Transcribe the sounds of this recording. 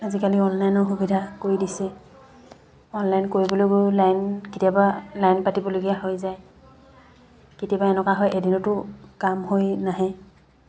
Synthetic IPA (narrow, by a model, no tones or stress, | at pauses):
azikaliɔnlajnɔxubidʱakoɹidisɛ | ɔnlajnkoɹiboloɡʊlajnkitijabalajnpatibɔloɡijaɦojzaj | kitijabaɛnɔkaɦɔjʔedinʊtʊkamɦojnaɦɛ